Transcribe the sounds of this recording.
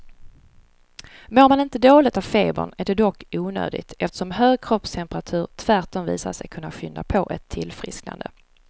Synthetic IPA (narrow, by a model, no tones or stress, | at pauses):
moːɾmanɪnt̪əd̪oːlɪt̪avfeːbə̰ɳæɖɛd̪ɔkːuːnø̰ːd̪ɪ̰t̪ɛft̪ə̥ʂɔmɦøːɡ̚kʰɾɔpst̪ʰɛmpəɾat̪ʰʉ̟ːɾt̪ʰvæɾʈɔmvḭːsa̰ʂɛ̰jkʰɵnːaɧʏnd̪a̰pʰɔʔɛt̪ʰːɪlfɾɪ̰skna̰nd̪ə̰